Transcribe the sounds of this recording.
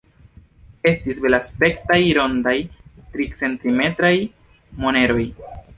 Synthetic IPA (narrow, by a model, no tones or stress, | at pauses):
e̞stisbe̞laspe̞ktajɾo̞ndajtɾit͡se̞ntime̞tɾaj | mo̞ne̞ɾo̞j